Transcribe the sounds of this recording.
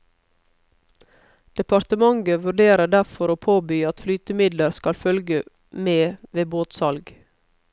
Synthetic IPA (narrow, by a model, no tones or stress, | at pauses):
d̪̥ɛpɑɾt̪əmɑŋɡəʋʉɖeːɾəɖæɾfɔɾoːpʰoːbyːɑt̪flyːt̪əmɪd̪ləɾskɑlfœlɡə | meːʋeːboːt̪sɑlɡ